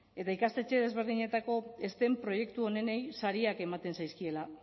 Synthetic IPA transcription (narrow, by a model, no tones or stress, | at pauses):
e̞t̪aikast̪et͡ʃe̞ð̞e̞zβ̞e̞ɾð̞iɲe̞t̪ako̞e̞st̪e̞mpɾo̞je̞kt̪uo̞ne̞ne̞jsaɾiake̞mat̪e̞nsajskie̞la